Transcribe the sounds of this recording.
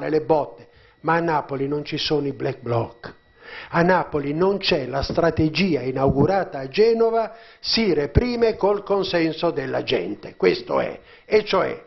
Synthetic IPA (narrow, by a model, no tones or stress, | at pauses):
lelebɔt̪ːe̥ | maːnːaːpolinont͡ʃisoniblɛk̚blɔk | anːaːpolinont͡ʃɛlast̪ɾat̪ed͡ʒiːainawɡuɾaːt̪aːd͡ʒɛːnova | sirepɾiːmekolkonsɛnsod̪elːad͡ʒɛ̰nt̪ekwest̪o̰ɛ̰ | et͡ʃːoɛ̰